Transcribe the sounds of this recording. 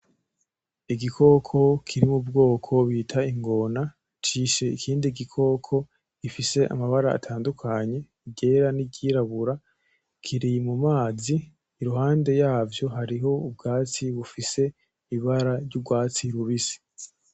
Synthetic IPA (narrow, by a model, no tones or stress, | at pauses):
iɡikʰo̞kʰo̞kʰiɾimubɡo̞ːkʰo̞βiːtʰaiŋɡo̞na | t͡ʃiʃe̞ikʰiːndiɡikʰo̞kʰo̞̥ | ifise̞ʔa̰maβaɾaa̰tʰaːndukʰaɲe̞ | iɟe̞ɾaniɟiːɾaβuɾa | kʰiɾimumaːziː | ɾuhaːnde̞jaːvjo̞ɦaɾiɦo̞ub̚ɡaːt͡siβufise̞ | iβaɾaɾɟuɡwaːt͡siɾuβisi̥